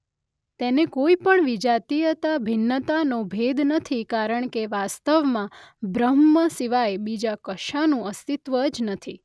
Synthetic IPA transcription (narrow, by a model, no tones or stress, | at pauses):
t̪enekoipəɳʋid͡ʒat̪ijət̪abʱɪnːət̪anobʱed̪nət̪ʰikaɾəɳ̃keʋast̪əʋmãbɾəmːəsiʋajbid͡ʒakəʃanũəst̪it̪ʋəd͡ʒnət̪ʰi